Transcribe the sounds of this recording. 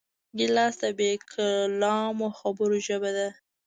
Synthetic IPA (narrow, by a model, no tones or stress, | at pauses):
ɡɪlɑsd̪abekʰalɑmoxabəɾoʒəbad̪a